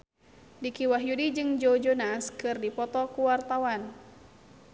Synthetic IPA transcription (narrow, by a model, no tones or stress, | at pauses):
dikiwaɦjudid͡ʒɨŋd͡ʒod͡ʒonaskɨrdipɔt̪ɔkuwart̪awan